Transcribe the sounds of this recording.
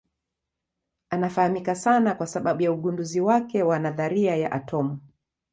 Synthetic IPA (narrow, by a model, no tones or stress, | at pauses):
anafahamikasanakwasaɓaɓujauɠunduziwakɛwanaðaɾiaja̰ʔa̰tʰɔmu